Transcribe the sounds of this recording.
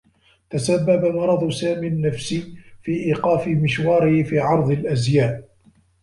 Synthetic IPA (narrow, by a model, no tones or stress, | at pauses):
t̪asabːabamɑɾˤɑd̪ˤsaːmiːnːafsiːfiːʔiːqɑːfɪmɪʃwɑːɾɪhɪfiːʕɑɾˤd̪ˤɪlʔazjaːʔ